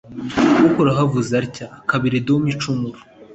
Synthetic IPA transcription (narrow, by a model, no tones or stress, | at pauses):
ukoɾaɦavuzaɾcakaβiɾedomit͡ʃumuɾu